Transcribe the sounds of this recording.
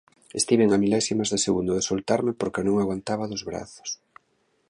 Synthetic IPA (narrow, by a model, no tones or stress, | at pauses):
ḛst̪iβeŋamilɛsimazðeseɣund̪ʊðesolt̪aɾmɪpoɾkenõŋaɣwant̪aβaðʊzβɾa̰θʊ̥s